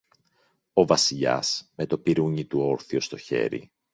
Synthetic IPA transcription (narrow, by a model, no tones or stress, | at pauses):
o̞vɐsiʎɐ̰sme̞t̪o̞piɾuɲit̪uo̞ɾθio̞st̪o̞çe̞̰ɾḭ